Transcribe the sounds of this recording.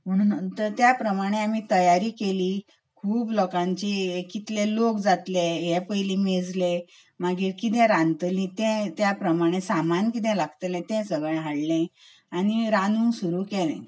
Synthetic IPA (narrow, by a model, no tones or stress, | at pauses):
m̤əɽ̃uːnt̪əɾt̪japɾəmaɽ̃eam̤it̪əjaɾiːkeliː | kʰuːblɔkãɲt͡ɕikit̪lelokd͡zat̪leɦɛ̃pəjlĩmed͡zle | maɡiːɾkit̪ɛ̃ɾãnt̪lĩt̪ɛ̃t̪japɾəmaɽ̃esamankit̪ɛ̃laɡt̪lɛ̃t̪ɛ̃səɡəɳɦaɽlɛ̃ | añiɾãnũsuɾuːkelɛ̰̃